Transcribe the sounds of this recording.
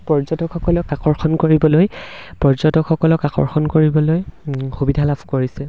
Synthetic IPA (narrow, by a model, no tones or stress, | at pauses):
pɔɹzɔtɔkxɔkɔlɔkakɔɹxɔnkoɹibɔlojpɔɹzɔtɔkʰxɔkɔlɔkakɔ̰ɹxɔnkoɹibɔlojxubidʱalabʰʱkoɹisɛ